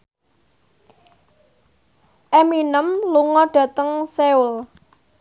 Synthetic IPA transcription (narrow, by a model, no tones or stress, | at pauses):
ʔeminəmluŋɔɖ̥ä̤t̪əŋseul